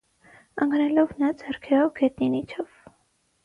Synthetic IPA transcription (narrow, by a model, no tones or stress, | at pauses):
əŋɡnɛlɔvnɑd͡zɛrkʰɛɾɔvɡɛt̪̚ninit͡ʃʰɔv̥